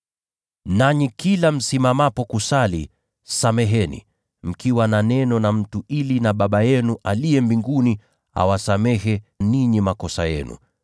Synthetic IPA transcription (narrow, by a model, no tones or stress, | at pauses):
naɲikilam̩simamapɔkusali | samɛɦɛnḭ | m̩kiwananɛnɔnam̩tuʔilinaɓaɓajɛnuʔalijɛmbiŋɡuni | a̰wasamɛɦɛniɲimakɔsa̰jɛ̰nṵ